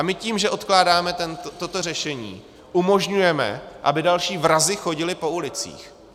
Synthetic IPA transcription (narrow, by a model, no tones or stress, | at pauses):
amɪciːmʒɛʔo̞t̪klaːdaːmɛt̪ɛnt̪t̪o̞t̪o̞rɛʃɛɲḭː | ʔumo̞ʒɲujɛmɛ̰ʔa̰bɪdalʃiːvɾazɪxo̞ɟɪlɪpo̞ulɪt͡sḭːx